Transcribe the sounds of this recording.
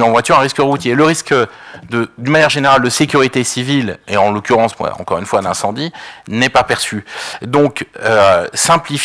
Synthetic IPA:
nɑ̃vwat̪yʁɛ̃ʁiskəʁut̪jeləʁiskd̪əd̪ynmanjɛʁʒeneʁald̪əsekʲyʁit̪esivileɑ̃lɔkʲyʁɑ̃sma̰ɑ̰̃kɔʁynfwalɛ̰̃sɑ̃d̪inɛpapɛʁsyd̪ɔ̃køsɛ̃plif

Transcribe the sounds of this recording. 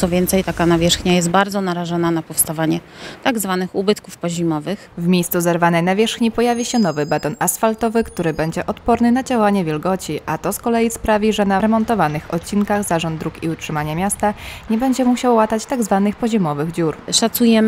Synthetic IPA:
t̪sɔvʲjɛnt̪sɛjt̪akanavʲjɛʂxɲajɛst̪̚baɾd̪zɔnaɾaʐɔnanapɔfst̪avaɲɛ | t̪aɡzvanɘxubɘt̪kufpɔʑimɔvɘxvmʲejst̪suzɛɾvanɛjnavʲjɛʂxɲipɔjavʲiɕɛnɔvɘbɛt̪ɔnasfalt̪ɔvɘkt̪uɾɘbɛɲd͡ʑɛʔɔt̪pɔɾnɘnad͡ʑawaɲɛvʲjɛlɡɔt͡ɕiʔat̪ɔskɔlɛjispɾavʲiʐɛnaɾɛmɔnt̪ɔvanɘxɔ̰t̪̚t͡ɕinkaɣzaʐɔnd̪d̪ɾukiutʂɘmaɲɛmʲjast̪aɲɛbɛɲd͡ʑɛmuɕawːat̪at͡ɕt̪aɡzvanɘxpɔʑimɔvɘɣd͡ʑuɾʂat̪sujɛm

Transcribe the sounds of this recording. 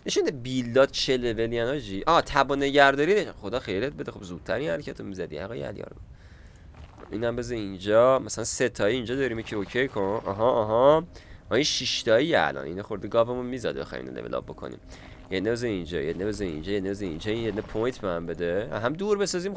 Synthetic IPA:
neʃund̪æbilːɒːt̪̚t͡ʃʰelevelijænɒd͡ʒiʔɒːt̪ʰæbɔneɟæɾd̪ɒːɾinχod̪ɒːxejliet̪̚be̞d̪exobzuːd̪̥̚t̪ʰæɾinhæɾecʰæt̪ʰomizæd̪ḭhæ̰ɣɒjæ̰ljɒ̰ːɾ | ʔḭːnæmbezeind͡ʒɒːmæsælænset̪ʰɒːiind͡ʒɒːd̪ɒːɾiːmjecʰiocʰejkʰonɒɦɒʔːɦɒɒinʃiʃt̪ɒːijeæ̰lʔɒ̰ːnʔḭːnɛxoɾd̪iɡɒvemunmizæ̰d̪̚bexɒ̰jmḭn̰lḛvelɒ̰b̚bo̞kʰo̰nḭm | jed̪nebezeiind͡ʒɒ̰jed̪nebezeḭnd͡ʒɒjed̪nebezeḭnd͡ʒɒːinjed̪nɛpʰojt̪ʰbemæmbe̞d̪ḛɦæmd̪uɾbesɒziːm

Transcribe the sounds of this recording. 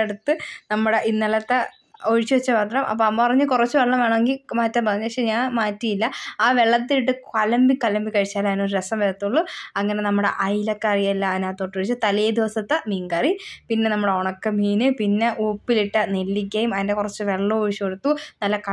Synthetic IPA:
eɽut̪ːɨnɐmːuɽe̞ʔinːɐlɐt̪ːe | oɻit͡ɕːɨʋɐt͡ɕːɨpɐt̪ːɐlɐmʔɐ̰pːoːɐmːɐpɐrɐɲːɨkurɐt͡ɕːuʋeɭːɐmʋeːɳɐme̞ŋɡilmaːtːɐpɐrɐɲːupɐkʂeɲaːnmaːtːijilːɐaːʋeɭːɐt̪ːiiʈːɨkɐlɐmbikɐlɐmbikːɐɻit͡ɕːaːlaːðnoɾuɾesɐmʋeɾɐt̪ːuɭːuɐŋːɐne̞nɐmːuɽe̞̰ʔɐjlɐkːeɐrijɐlːɐðnaːt̪oʈːuʋɻit͡ɕːɨt̪ɐlejd̪iʋɐsɐt̪ːemiːŋɡɐripinːenɐmːuɽeoɳɐkːemiːnɨpinːe̞ʔuːpːiliʈːɐnelːik̬ʲːɐjumɐðindekurɐt͡ɕːɨʋe̞ɭːɐoːɻit͡ɕːueɽut̪ːunɐlːɐkɐ

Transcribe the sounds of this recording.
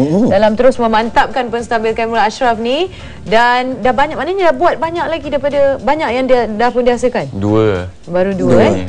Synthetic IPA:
dalamt̪əɾʊsmə̃mant̪ap̚kanpənst̪abilkanmulaaʃɾafnĩ | dandahbaɲakʔ̚manəɲadahbuat̪̚baɲak̚laɡidaijpadabaɲak̚jaŋdadahpʊndiasəkanduə | baɾuduə

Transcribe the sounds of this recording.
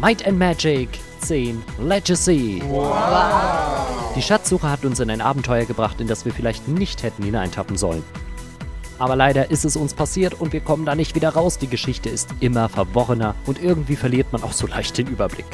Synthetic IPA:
maɪtɛntmæd͡ʒɪk | t͡siːnlɛd͡ʒəsi | d̥iːʃat͡sz̥uːχəhatʊnsɪnaɪnʔa̰ːbm̩tʰɔʏɐɡəbʁaχtɪnd̥asv̥iːɐfɪlaɪçtnɪçthɛtn̩hinaɪntʰapm̩zɔ̰lən | ʔaːbɐlaɪɾɐʔɪstɛsʊnspʰasiːɐtʊntv̥iːɐkʰɔməndaːnɪçtv̥iːdɐʁaʊsd̥iːɡəʃɪçtəɪstʔɪmɐfɛɐvɔʁənɐʔʊntʔɪɐɡŋ̩tv̥iːfɛɐliːɐtmanʔa̰ʊxz̥oːla̰ɪçt̚d̥eːnʔyːbɐblɪ̰k

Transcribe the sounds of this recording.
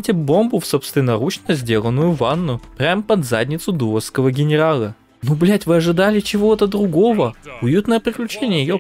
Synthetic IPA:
tʲɪbo̞mbʊfsopst̪ʲɪnɐɾut͡ɕnəzʲdʲe̞lˠənːʊjʊvanːʊpɾʲampəd̪zadʲnʲɪt̪sʊd̪uəskəvəɡʲɪnʲɪɾalˠə | nublʲætʲvɨɐʐɨd̪alʲɪt͡ɕɪvo̞t̪əd̪ɾʊɡo̞vəʊjut̪nəjəpɾʲɪklʲʉt͡ɕenʲɪjəjɪjo

